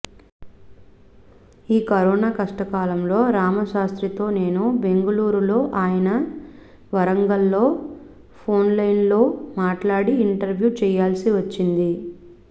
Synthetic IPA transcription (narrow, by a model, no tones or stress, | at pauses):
iːkɐɾɔːnaːkɐʂʈɐkaːlɐmlo̞ːɾaːmɐʃaːst̪ɾit̪o̞ːne̞ːnube̞ŋɡɐluːɾulo̞ːʔaːjɐnɐ | ʋɐɾɐŋɡɐlːo̞ː | pʰo̞ːnlɐjnlo̞ːmaːʈlaːɽiːɳʈɐɾʋjuːt͡ʃɛːjaːlsiʋɐt͡ʃːind̪i